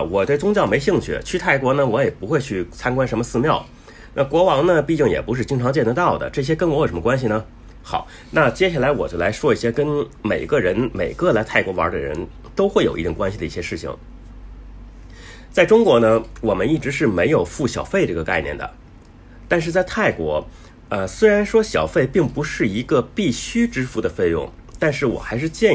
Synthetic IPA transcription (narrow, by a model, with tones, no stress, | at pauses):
wɔ˨˩t̪we˥˩ɪt͡sʊ˥ŋt͡ɕjɑ˥˩ʊme˧˥ɪɕi˥˧ŋt͡ɕʰy̰˥˩t͡ɕʰy˥t̪ʰa˥˩ɪkwɔ˧˥nə˧wɔ˧˥jɛ˨˩pu˧˥xwe˥˧ɪt͡ɕʰy˥˩t͡sʰa˥nkwa˥nʂə˧˥mə˧sɹ̩˥˧mjɑ˥˩ʊ | na˥˩kwɔ˧˥wɑ˧˥ŋnə˧pi˥˧t͡ɕi˥˩ŋjɛ̰˨˩pu˧˥ʂ̬ɻ̩˥˧t͡ɕi˥ŋʈ͡ʂʰɑ˧˥ŋt͡ɕjɛ˥˩nt̪ə˧˥t̪ɑ˥˩ʊd̪ə̰˩ʈ͡ʂɤ˥˩ɕ̬jɛ˥kə˥nwjo˨˩ʂmə˧wa˥nɕ̬i˨nə˩ | xɑ˨˩ʊ | na˥˧t͡ɕjɛ˥ɕa˥˩la˧˥ɪwɔ̰˨˩t͡ɕjo˥˩la˧˥ɪʂwɔ˥i˥˩ɕjɛ˥kə˥nme˨˩ɪɡə˧ɻə˧˥nme˨˩ɪɡə˥˧la˧˥ɪt̪ʰa˥˩ɪkwɔ˧˥wɑ̰˧˥d̪ə̰˧ɻə̰˧˥n | t̪o˥ʊxwe˥˩ɪo˨˩ʊḭ˧˥˩ʈ͡ʂʊ˨˩ŋkwa˥nɕi˩d̪ə˩i˥˩ɕjɛ˥ʂɻ̩˥˩t͡ɕʰḭ˩ŋ | t͡sa˥˩ɪʈ͡ʂʊ˥ŋkwɔ˧˥nə˧wɔ˨˩mə˦ni˥˩ʈ͡ʂɻ̩˧˥ʂɻ̩˥˩me˧˥ɪjo˨˩ʊfu˥˩ɕjɑ˨˩ʊfe˥˧ɪʈ͡ʂɤ˥˩ɡə˩ka˥˧ɪnjɛ̰˥˩nd̪ə̰˩ | t̪a˥˧nʂɻ̩˥˧t͡sa˥˧ɪt̪ʰa˥˩ɪkwɔ˧˥ | ə˧swe˥ɪɻa˧˥nʂwɔ˥ɕjɑ˨˩ʊfe˥˧ɪpi˥˩ŋpu˧˥ʂɻ̩˥˩i˧˥ɡə˧pi˥˩ɕy˥ʈ͡ʂɻ̩˥fu˧˥d̪ə˨fe˥˧ɪjʊ̰˥˩ŋ | t̪a˥˧nʂɻ̩˥˩wɔ̰˨˩xa˧˥ɪʂɻ̩˥˧t͡ɕjɛ˥˧